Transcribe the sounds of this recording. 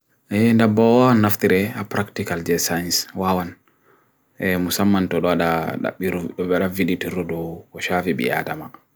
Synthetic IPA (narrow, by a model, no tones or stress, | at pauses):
ɛndabːɔwawanːaft̪iɾɛapɾaktikald͡ʒɛsajnswawan | ɛmusamːantɔɗɔaɗaɗa̰ɓːiɾɗɔɓɛɗaviditiɾɔdɔkɔʃafiɓḭʔa̰dama